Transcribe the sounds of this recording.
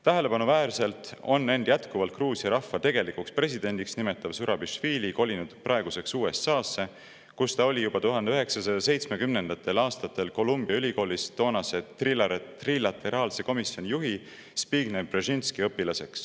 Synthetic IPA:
t̪æɦe̞le̞pɑnuvæːrse̞lt̪ˑo̞nːe̞nd̪̥jæt̪kuvɑlt̪̚kruːsiɑɾɑfːɑt̪e̞ɡ̥e̞likukspre̞s̬ʲid̪̥e̞nʲd̪iksnime̞t̪ːˑɑvsuɾɑbiʃfiːliko̞lʲinud̪̥pʔɑeɡuse̞ksuːe̞sːɑːsːe̞ | kust̪ɑo̞lʲijub̥ɑt̪uɦɑnd̪eøɦe̞ksɑsɑjɑse̞jt̪sme̞kymnend̪̥ɑt̪ːˑe̞lɑːst̪ɑt̪ːˑe̞lko̞lumb̥iɑylʲiko̞ːlist̪o̞ːnɑse̞t̪rilɑɾet̪rilɑt̪e̞ɾɑːlse̞ko̞misjo̞nʲijuɦi | spiːɡ̥nebreʒinskiɤpːilɑse̞ks

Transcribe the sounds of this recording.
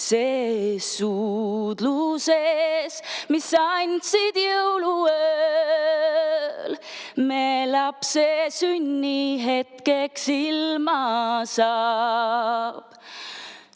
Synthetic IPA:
sesud̪̥lusesmisːɑjnd̪sid̪jewluø | lmelɑpsesynʲːiɦe̞t̪keksilmɑsɑ | b̥

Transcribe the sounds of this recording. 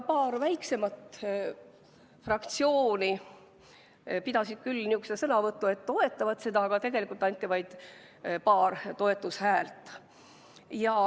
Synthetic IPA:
pɑːrvæjkse̞mɑt̪ | frɑkt̪sio̞ːni | pid̪ɑsid̪̥̚kylːnʲiuksd̪esɤnɑvɤt̪ːˑue̞t̪ːo̞e̞t̪ːˑɑvɑt̪se̞d̪ɑːɡ̥ɑt̪e̞ɡ̥e̞likult̪ːˑɑnʲt̪ʲˑːivɑjd̪̥ | pɑːrt̪o̞e̞t̪ːˑushæːlt̪ˑ | jɑ

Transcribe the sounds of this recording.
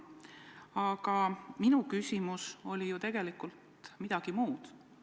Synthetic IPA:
ɑɡ̥ɑminukysʲimuso̞lʲijut̪e̞ɡ̥e̞likːˑult̪ | mid̪̥ɑɡ̥imuːd̪̥

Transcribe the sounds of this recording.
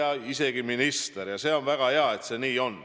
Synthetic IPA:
ɑise̞ɡ̥iminist̪eɾjɑse̞ːo̞nvæɡ̥ɑheɑe̞t̪se̞niːo̞n

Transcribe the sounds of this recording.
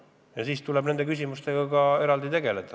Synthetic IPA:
jɑsiːst̪ulebne̞nd̪e̞kys̬ʲimust̪e̞ɡ̥ɑkɑe̞ɾɑld̪it̪e̞ɡe̞le̞d̪̥ɑ

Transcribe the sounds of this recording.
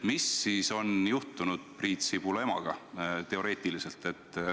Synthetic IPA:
misːiːso̞njuht̪ːˑunud̪̥̚priːt̪sib̥ulemɑ̰ɡ̥ɑt̪e̞o̞ɾe̞ːt̪ˑilise̞lt̪ˑe̞t̪ːˑ

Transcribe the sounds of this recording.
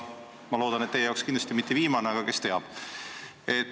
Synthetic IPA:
mɑlo̞ːd̪̥ɑnet̪ːejeɑˑowkskind̪lɑst̪imit̪ːeviːmɑneɑɡ̥ɑke̞st̪e̞ɑb̥ | e̞t̪ː

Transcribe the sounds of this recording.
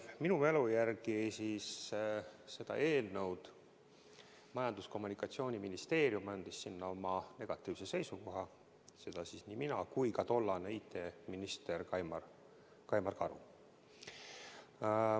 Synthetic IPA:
minume̞lujærɡisis | se̞d̪̥ɑ̰ʔe̞ːlnəwd̪̥ | mɑjɑnd̪̥usko̞mːunikːˑɑt̪sio̞ːnʲiminist̪e̞ːɾjumɑnd̪̥isːinːɑo̞mɑne̞ɡ̥ɑt̪ːˑiːvse̞se̞jsuko̞ɦɑ | se̞d̪̥ɑsisniːminɑkujkɑt̪o̞lːɑneijt̪ːˑe̞minist̪e̞rkɑm | kɑjmɑrkɑɾṵ

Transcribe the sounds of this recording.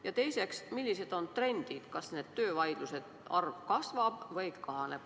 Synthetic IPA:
jɑt̪e̞jse̞ksmilːise̞d̪̥o̞nt̪re̞nʲd̪̥id̪̥kɑsne̞ːd̪̥t̪ø̞ːvɑjd̪̥luse̞d̪̥ɑrvkɑsvɑb̥vɤjkɑɦɑne̞b̥

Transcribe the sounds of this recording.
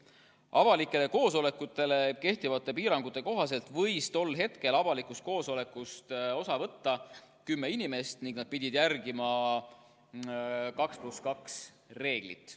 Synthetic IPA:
ɑvɑlikːˑe̞le̞ko̞ːso̞le̞kːˑut̪ːˑe̞le̞ke̞ht̪ivɑt̪ːˑe̞piːɾɑŋɡ̥ut̪ˑːe̞ko̞ɦɑse̞lt̪ˑvɤjst̪o̞lːɦe̞t̪ke̞lɑvɑlikːˑust̪̚ko̞ːso̞le̞kːˑust̪o̞sɑvɤt̪ːɑkymːe̞inime̞st̪niŋɡ̥nɑd̥̪̚pid̪̥ʲid̪jærɡ̥imɑ | kɑkspluskɑks | re̞ːɡ̥lḭt̪ːˑ

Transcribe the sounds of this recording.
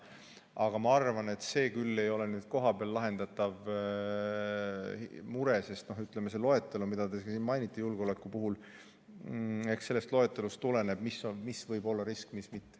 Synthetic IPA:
ʔɑɡ̥ɑmɑɑrvɑne̞t̪se̞ːkylːe̞jo̞le̞nyːd̪̥ko̞ɦɑbeɑlːɑɦe̞nd̪̥ɑt̪ːɑv | muɾe̞se̞st̪no̞ɦyt̪ˑlemeselo̞e̞t̪ːˑe̞lumid̪̥ɑd̪esiːnmɑjnit̪ːˑejulɡ̥o̞le̞kːˑupuɦul | e̞kse̞lːe̞st̪lo̞et̪ːˑe̞lust̪ule̞ne̞b̥misomisvɤjbo̞lːɑɾiskmismit̪ːe̥

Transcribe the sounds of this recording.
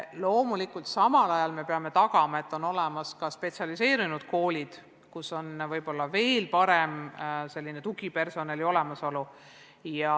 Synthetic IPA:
lo̞ːmulikult̪sɑmɑlɑjɑlme̞pe̞ɑme̞t̪ɑkɑmɑe̞t̪ːˑo̞no̞lemɑskɑspe̞t̪siɑlise̞ːɾinud̪̥̚ko̞ːlʲid̪̥ | kuso̞nvɤjb̥o̞lːɑve̞ːlpɑɾemse̞lʲːinet̪uɡ̥ipe̞rso̞nɑlio̞le̞mɑso̞lu | jɑ

